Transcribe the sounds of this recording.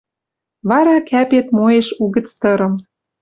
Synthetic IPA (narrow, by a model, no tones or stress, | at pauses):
βɑɾɑkæpet̪moeʃuɣə̆t͡st̪ɤɾɤ̆m